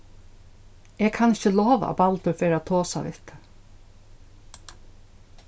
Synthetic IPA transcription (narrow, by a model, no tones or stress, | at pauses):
ɛːɡkʰanɪht͡ʃəlɔːʋa̰a̰palt̪ʊɹfeːɾat̪ʰoːsa̰ʋɪ̰ht̪